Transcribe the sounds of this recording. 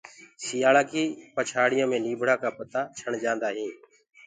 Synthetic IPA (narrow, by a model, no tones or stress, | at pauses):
sɪjaːlaːkiːpət͡ʃʰaːɽɪjõːmẽːniːbʱɽaːkaːpət̪aːt͡ʃʰəɳd͡ʒãːnd̪aːɦĩː